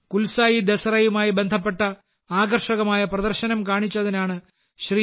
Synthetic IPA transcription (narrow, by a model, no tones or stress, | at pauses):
kulsaːjid̪ɐsɐrɐjumaːjibe̞nd̪ʱɐpːe̞ʈːɐ | aːɣɐrʂɐɣɐmaːjɐprɐðɐrɕɐnɐmkaːɳit͡ɕːɐðinaːɳɨ | ɕri